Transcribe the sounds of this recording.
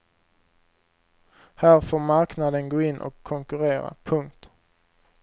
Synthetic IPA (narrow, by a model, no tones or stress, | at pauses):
hæːɾfoːɾmaɾknad̪ənɡoːɪnːʔɔ̰kʰːɔŋkɵɾeːɾa̰pʰɵŋk̚t̪